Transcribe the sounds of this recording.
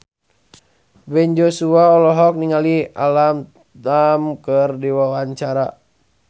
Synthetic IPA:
bɛɲd͡ʒosuaɔlɔɦɔk̚niŋalia̰lam | tamkərdiwawaɲt͡ʃaɾa

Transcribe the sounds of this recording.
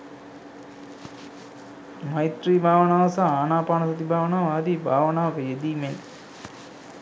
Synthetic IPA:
majt̪riːbʱaːʋənaːʋɐsaːaːnaːpaːnəsɐt̪ibʱaːʋənaːʋaːd̪iːbʱaːʋənaːʋɐkəjed̪iːmen

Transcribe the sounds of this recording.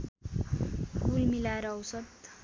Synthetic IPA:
kulmilaɾʌwsʌt̪

